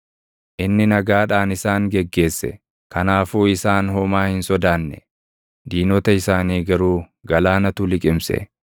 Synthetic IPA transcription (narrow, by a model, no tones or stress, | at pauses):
ʔɪnːɪnɐɡaːᶑaːnɪsaːŋɡɛɡːe̞ːsːɛ̰ | kɐnaːfuːɪsaːnɦɔmaːhɪnsɔd̪aːnːɛ̰ | d̪iːnɔt̪ɐɪsaːniːɡɐɾuː | ɡɐlaːnɐt̪ʊlɪkʼɪmsɛ̰